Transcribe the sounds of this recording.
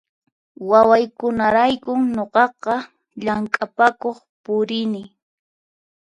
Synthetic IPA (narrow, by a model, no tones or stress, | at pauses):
wawajkʊnaɾajkʊɲoqɑqɑ | ʎaŋkʼapakoχpʊɾɪnɪ